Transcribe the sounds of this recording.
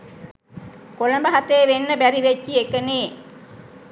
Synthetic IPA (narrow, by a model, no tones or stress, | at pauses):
koləmbəɦat̪əjːʋenːəbæɾiʋet͡ʃːiekəneː